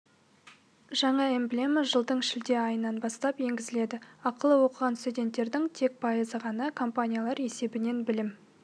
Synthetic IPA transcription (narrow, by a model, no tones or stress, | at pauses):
ʒɑɴɑemblʲeməʒəlˠd̪əɴʃɪld̪e̞ɑjənːɑnbɑst̪ɑpje̞ŋɡʲɪzɪle̞d̪ɪɑqəlˠəwo̞qəʁɑnst̪ud̪ʲe̞nt̪ːe̞ɾd̪ɪŋt̪ʰe̞k̚pʰɑjəzəʁɑnɑkʰo̞mpanʲijalˠɑɾe̞se̞bɪne̞nbɪlɪm